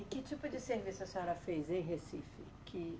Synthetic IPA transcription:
ɪkɪt͡ʃipʊd͡ʒɪseɾvisɐsɔɾɐfejzẽj̃ɦesifɪ | kʰɪ

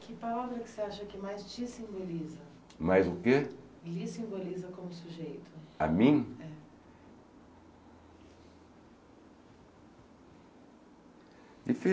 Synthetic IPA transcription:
kɪpalavɾɐkɪ̥seaʃɐkɪmajst͡ʃisĩmbolizɐ | majzʊkelisĩmbolizɐkõmʊsuʒejt̪ʊa̰mĩj̃ɛ | d͡ʒ̪ife

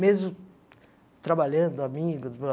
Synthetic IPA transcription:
mezmʊ | t̪ɾabaʎɐ̃nd̪ʊamiɡʊs

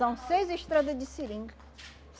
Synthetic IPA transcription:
ɐ̃w̃sejzeʃt̪ɾad̪ɐd̪ɪsilĩŋɡ | s

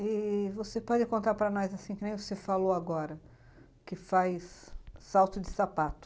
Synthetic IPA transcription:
ɪvosepɔd͡ʒɪkõnt̪aɾpɾɐnɔjzasĩkɪnẽj̃vosefaloaɡɔɾɐ | kɪfajsːawt̪ʊd͡ʒɪsapat̪ʊ

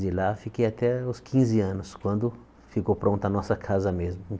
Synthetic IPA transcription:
d͡ʒɪlafikejat̪ɛʊskʰĩzɪɐ̃nʊskwɐ̃nd̪ʊ | fikowpɾõnt̪ɐnɔsɐkʰazɐmezmʊ̃

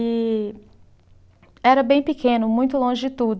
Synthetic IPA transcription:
ɪ | ɛɾɐbẽj̃pɪkʰẽnʊmũj̃t̪ʊlõʒɪd͡ʒɪt̪ud̪

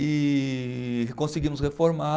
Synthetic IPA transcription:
ɪ | kõsɪɡĩmʊshefoɾma

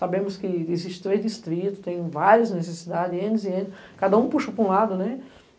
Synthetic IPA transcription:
sabẽmʊskɪeziʃt͡ʃɪ̥t̪ɾed̪ist̪ɾit̪ʊ̥t̪ẽj̃vaɾjɐznesesid̪ad̪ɪzẽd̪ɪzɪẽd̪ɪs | kad̪ɐũpuʃɐpɾũlad̪ʊnɛ

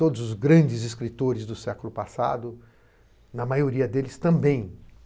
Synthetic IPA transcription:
t̪od̪ʊzʊzɡɾɐ̃d͡ʒɪzɪskɾit̪oɾɪzd̪ʊsɛkʊlʊpasa̰d̪ʊ | nɐmajoɾiɐd̪elɪst̪ɐ̃mbẽj̃

